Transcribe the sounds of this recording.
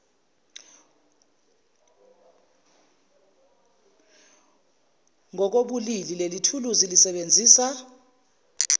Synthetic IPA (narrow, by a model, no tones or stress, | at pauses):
ŋɔk̬oɓulililelitʰuluzilisɛɓend͡zʱiːsa